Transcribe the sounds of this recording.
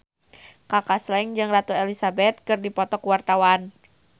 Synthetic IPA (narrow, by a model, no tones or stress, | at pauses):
kakaslɛŋd͡ʒɨŋrat̪uelisabɛt̪̚kɨrdipɔt̪ɔkwart̪awan